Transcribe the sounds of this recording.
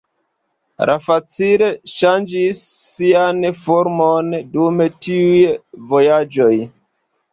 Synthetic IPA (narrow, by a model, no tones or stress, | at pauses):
ɾʔafat͡sile̞ʃand͡ʒisːianfoɾmondumetiujvo̞jad͡ʒo̞j